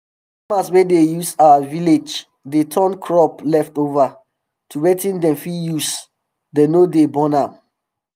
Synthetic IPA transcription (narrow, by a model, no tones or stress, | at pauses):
amaswɛ̃dejusawaviled͡ʒ | detʰɔ̃nkʰɹɔplɛftova | tʰuɹɛtĩndɛ̃mfijus | denodebɔ̃nãm